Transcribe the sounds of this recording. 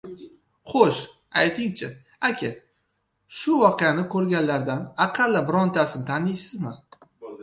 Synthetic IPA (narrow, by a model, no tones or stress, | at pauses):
χoʃ | a̰jt̪ʰɪŋt͡ʃʰɪ | akʲʰɪ | ʃʊvɒqʰɨjanɪkʰɵɾɡʲanlaɾd̪anaqʰɑlːabɪɾɒnt̪ʰasɪnt̪ʰanɪjsɪzmɪ